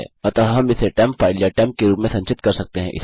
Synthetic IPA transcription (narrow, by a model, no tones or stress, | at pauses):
ɛ̰ɐt̪ɐɦɐmɪseʈɛːmpfaːɪljaːʈɛːmp̚keɾuːpmẽsɐ̃nt͡ʃɪt̪kɐɾsɐk̚t̪eɦɛ̃ʔɪ̰s